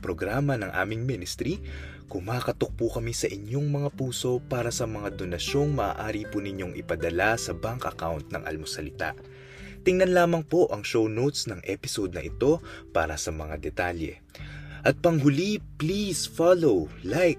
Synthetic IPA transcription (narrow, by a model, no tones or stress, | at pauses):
pɾo̞ɡɾaːmɐnɐŋʔa̰ːmɪŋminɪst̪ɾi | kʊmaːkɐt̪ok̚pukɐmisɐʔɪɲo̞ŋmɐŋapuːso̞paːɾɐsɐmɐŋad̪o̞nɐʃo̞ŋmɐʔa̰ːʔaːɾipunɪɲo̞ŋʔɪ̰pɐd̪ɐlasɐbaŋkɐkawnt̪̚nɐ̰ŋʔɐ̰lmosɐlɪt̪a̰ʔ | t̪ɪŋnɐnlaːmɐŋpo̞ʔɐŋʃownowt̪snɐŋʔɛpɪsod̪̚nɐʔɪt̪o̞paːɾɐsɐmɐŋa̰d̪ɛt̪aljɛ̰ | ʔɐt̪̚pɐŋɦʊliplisfalowlajk̚